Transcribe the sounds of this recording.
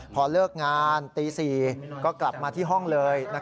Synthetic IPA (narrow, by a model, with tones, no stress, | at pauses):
pʰɔː˧lɤː˥˩k̚ŋaː˧nt̪iː˧siː˨˩kɔː˥˩kla˨˩p̚maː˧t̪ʰiː˥˩ɦɔ˥˩ŋlɤː˧jna˦˥